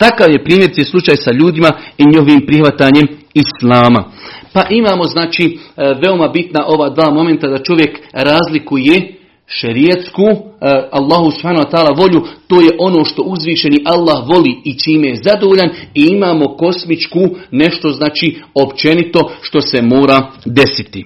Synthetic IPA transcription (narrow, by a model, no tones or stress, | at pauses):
t̪akaːʋje̞pɾiːmje̞ɾit̪eslut͡ʃaːjsaʎuːd̪imaiɲiɦoʋiːmpɾixʋat̪aːɲe̞mislaːma̰paʔimaːmo̞znaːt͡ʃiːʋe̞o̞mabit̪naʔo̞ʋaːd̪ʋaːmo̞me̞nt̪ad̪at͡ʃo̞ʋje̞kɾaːzlikuje | ʃeɾiat̪skuːalˠːaːɦusubhaːnuwat̪aːlaʋo̞ʎut̪oːje̞ʔo̞no̞ːʃt̪o̞ʔuzʋiːʃe̞niʔalˠːahʋo̞liːit͡ʃiːmejezad̪oʋoːʎaniimaːmo̞ko̞smit͡ʃkuːne̞ʃt̪o̞znaːt͡ʃiːo̞pt͡ʃe̞nit̪o̞ʃt̪o̞se̞moːɾad̪e̞sit̪i